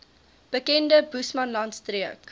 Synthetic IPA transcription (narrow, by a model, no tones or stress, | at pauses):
b̥əkɛndəbusmɐnlɐntstriək